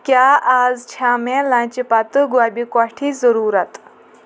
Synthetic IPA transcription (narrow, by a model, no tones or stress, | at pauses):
kjaːʔaːzt͡ɕʰaːmẽlãːt͡ɕipat̪ɨɡwaːbikwaʈʰiːzəɾuːɾɐt̪